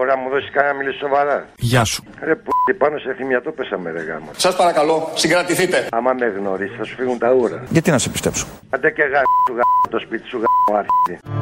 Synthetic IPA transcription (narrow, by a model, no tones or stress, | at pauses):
oɾɐmuðosi̥skɐnɐmilisso̞vɐɾɐʝɐsu̥ɐɾeput̪ipɐno̞seθimjɐt̪opesɐmeɾḛɣɐ̰mɐ̰sɐspɐɾɐkɐlo̞siŋɡɾɐt̪iθit̪e̞ɐmɐmeɣno̞ɾisiθɐsu̥fiɣunt̪ɐuɾɐ̰ʝɐt̪inɐsepist̪epsu̥ | ɐd̪eceɣɐuɣɐt̪o̞spit̪i̥suɣɐuɐɾçii